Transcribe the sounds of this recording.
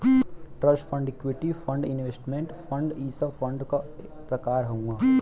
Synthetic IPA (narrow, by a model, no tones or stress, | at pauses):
ʈɾɐʃʈpʰə̃ɳɖekʋɪʈifʰɐ̃ɳɖɪnʋeːsʈmẽɳʈfʰɐ̃ɳɖiːsɐfʰɐ̃ɳɖka | pɾɐkaːɾɦɐũãː